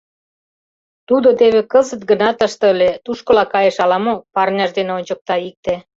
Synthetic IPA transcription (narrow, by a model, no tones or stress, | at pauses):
t̪ud̪ot̪eβekəzə̆t̪̚ɡə̆nɑt̪əʃt̪əlet̪uʃkŏlɑkɑjeʃɑlɑmok̚pɑrnʲɑʃd̪eneonʲt͡ɕə̆k̚t̪ɑik̚t̪e